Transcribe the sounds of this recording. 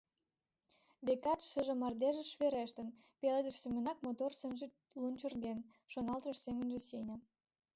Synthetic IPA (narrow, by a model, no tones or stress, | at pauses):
βekɑt̪ʃə̆ʒĕmɑrd̪eʒĕʃβeɾeʃt̪ə̆n | peled̪ə̆ʃsemʲə̆nɑk̚mot̪orsənʒe | lunt͡ɕə̆rɣen | ʃonɑlˠt̪rəʃsemənʒĕsenʲə